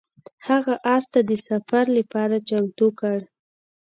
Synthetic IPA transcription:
haɣaʔɑst̪ad̪əsafaɾlapɑɾat͡ʃalt̪okəɽ

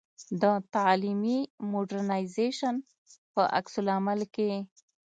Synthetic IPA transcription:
d̪ət̪alimimoɖaɾnajzeʃan | pəʔa̰ksulamalke

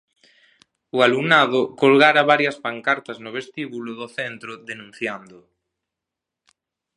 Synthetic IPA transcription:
ualuŋnað̞okolɣaɾaβaɾjaspaŋkaɾt̪aznoβ̞est̪iβuloðoθent̪ɾoðenũn̟θjand̪o

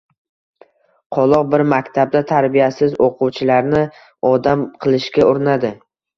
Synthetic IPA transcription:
qʰɒlˠɒq̚bɪɾmakʲt̪ʰab̚d̪at̪ʰaɾbijasɪzoqʰʊwt͡ʃʰɪlaɾnɪ | ɒd̪amqʰɨlˠɪʃkʲaoɾɪnad̪ɪ

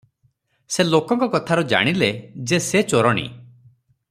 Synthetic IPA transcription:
selokɔŋkɔkɔt̪ʰaɾɔd͡ʒa̰ɽ̃iled͡ʒeset͡ʃoɾɔɽ̃ḭ

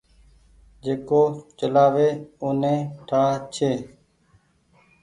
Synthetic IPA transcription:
d͡ʒeːkoːt͡ʃəlaːʋeːoːnẽːʈʰəɽaːt͡ʃʰeː

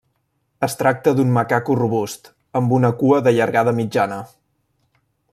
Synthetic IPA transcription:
əst̪ɾak̚t̪əðunməkakuruβust̪ | əmbunəkuəðəʎəɾɣað̞əmid͡ʒanə

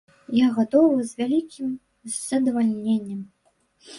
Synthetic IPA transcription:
jaɣat̪ɔvɨzʲvʲalʲikʲim | zɐd̪ɐvalʲnʲenʲːɐm

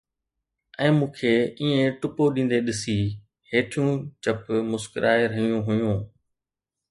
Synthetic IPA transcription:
ɛ̃ːmũːkʰeːiːẽʈʊpoɗĩːnd̪eɗɪsi | ɦeːʈʰjũːt͡ɕəpmʊskɪɾʔaːeɾəɦijũɦʊjũː

